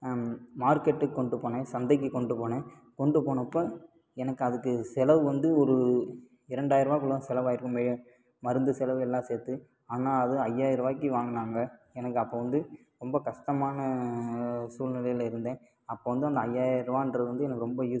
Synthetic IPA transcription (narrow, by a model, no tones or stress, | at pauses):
maːɾkeʈːɯkːɔɳɖɯpːoːnẽːsɐnd̪ɐɪk̬ːɯkɔɳɖɯpoːnẽː | kɔɳɖɯpoːɳɐpːoː | ɛnɐkːɯɐðɯkːɯsɛlɐʋɯʋɐnd̪ɯɔɾɯ | ɪɾɐɳɖaːjɪɾɐʋaːkɯɭːosɛlɐʋaːjɪɾkːɯmʋeːɻɐ | mɐɾɯnd̪ɯsɛlɐʋɛlːãːseːt̪ːɯ | aːnãːɐðɯɐjːaːjɪɾʋaːkːiʋaːŋɡɐnaːŋɡɐɛnɐk̬ːɯɐpːoːʋɐnd̪ɯ | ɾɔmbɐkɐʂʈɐmaːnɐ | suːlnɪlɐjɪlɪɾɯnd̪ẽː | ɐpːoːʋɐnd̪ɯɐnd̪ɐɐjːaːɪɾʋaːɪndrɐðɯʋɐnd̪ɯɛnɐkːɯɾɔmbɐjuː